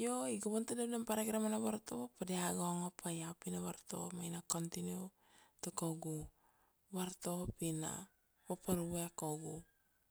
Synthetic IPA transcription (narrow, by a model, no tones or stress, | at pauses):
joiɡoβontinadampaɾaɡiɾamanaβaɾtopadeaɡoŋapʰajapinaβaɾto̰majnakontinio | takoɡu | βaɾtopina̰ | papaɾuβeakoɡu